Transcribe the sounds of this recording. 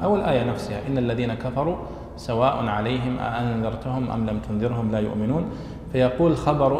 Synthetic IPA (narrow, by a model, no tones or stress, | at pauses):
ʔawːalʔaːjanafsɪha̰ʔɪnːalːaðiːnakafɑɾˤu | sawaːʔʊnʕalajɦɪmʔa̰ʔanðɑɾˤt̪ʊhʊmʔa̰mlamt̪ʊnðˤɨɾɦʊmlaːjʊ̰ʔmɪnuːn | fajɑquːlxɑbɑɾˤ